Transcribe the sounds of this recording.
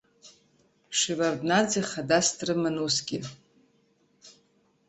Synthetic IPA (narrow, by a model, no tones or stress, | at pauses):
ʂivardnad͡ziχadastrɨmanusɡʲɪ